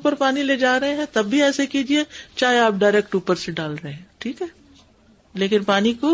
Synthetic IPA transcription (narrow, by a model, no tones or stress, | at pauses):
pəɾpaːnileːd͡ʒaːɾɐɦeɦɛ̃t̪ɐbːʱiɛːsekiːd͡ʒiet͡ʃaːɦeaːp̚ɖaːɪɾɛːk̚ʈuːpəɾseɖaːlɾɐɦẽɦɛ̃ʈʰiːkɦɛː | leːkɪnpaːniko